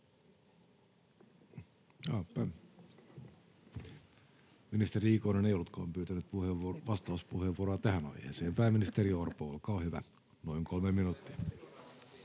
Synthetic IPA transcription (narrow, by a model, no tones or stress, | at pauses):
ɑːpæː | minist̪eɾiikoinenejolːut̪kɑ̰ːmpyːt̪ænyt̪̚puheʋɑst̪ɑuspuheʋuoɾoɑt̪æhænɑ̰ihḛːseːmpæːmːinist̪eɾiorpoo̰lkɑːhyʋæ̰ | noiŋkʰolmemmːinut̪ːiɑ